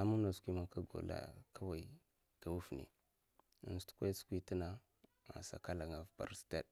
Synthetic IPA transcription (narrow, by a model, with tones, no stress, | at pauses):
a˨mu˦na˨skʷi˦ma˦ka˦ɡo̰˨la̰˨ka˦wa˨i˨ | da˨wu˦fnḭ˨ | nstu̥˦kʷa˦skʷi˦ti˦na˦˨ | ma̰˨sa̰˨ka˦la˨ŋa˨vpa̰˨ɾsta˦˨d